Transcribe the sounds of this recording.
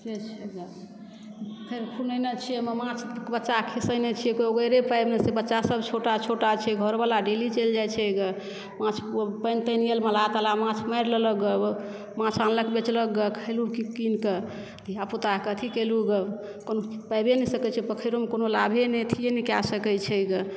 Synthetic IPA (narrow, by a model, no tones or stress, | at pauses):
d͡ʒet͡ʃʰ | pʰeɾkʰunəjnet͡ʃʰieməmãt͡ʃʰbətːt͡ʃakʰisəjnet͡ʃʰijekooɡəjɾepajbmesebətːʃːasəbʱt͡ʃʰoʈat͡ʃʰoʈat͡ʃʰɛɡʱəɾbalaɖelit͡ʃəld͡ʒajt͡ʃʰɛɡə | mãt͡ʃʰpəjnt̪ənijəlmelat̪alamãt͡ʃʰmajɾlələɡə | mãt͡ʃʰanləkbet͡ʃləɡːəkʰəlukikinke | d̪ʱiaput̪akət̪ʰikeluɡə | konopajbenɛsəkɛt͡ʃʰɛpəkʰəjɾomekonolabʱenɛt̪ʰienikasəkɛt͡ʃʰɛɡə